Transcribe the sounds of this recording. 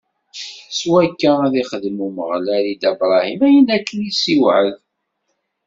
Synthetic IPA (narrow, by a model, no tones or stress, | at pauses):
swækːææðiχəðmuməʁlælid̪æbɾˤɑhimæjənækːənisiwʕəð